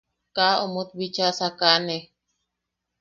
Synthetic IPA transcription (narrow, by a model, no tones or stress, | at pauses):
kaomut̪̚bit͡ʃasakane